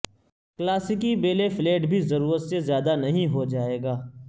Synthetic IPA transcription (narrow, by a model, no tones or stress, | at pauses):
klaːsɪkibeːlefleːʈbʱizɐɾuːɾət̪sezjaːd̪anɐɦĩɦod͡ʒaːeːɡaː